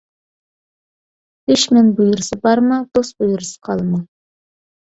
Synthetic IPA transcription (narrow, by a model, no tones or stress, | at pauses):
eʃmɛnbujuɾɨsɨbɑɾmɑd̪osbujuɾɨsə̥qʰɑlˠmɑ